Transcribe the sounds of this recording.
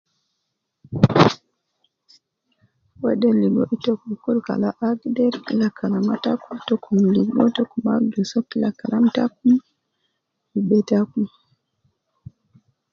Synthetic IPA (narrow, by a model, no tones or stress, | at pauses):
wɛdɛliɡɔʔitɔkukulka̰laʔaɡdɛɾlakʰalamatakutɔkʰumliɡɔtɔkuma̰ɡɛsɔkilakaɾamtakum | ibɛtaku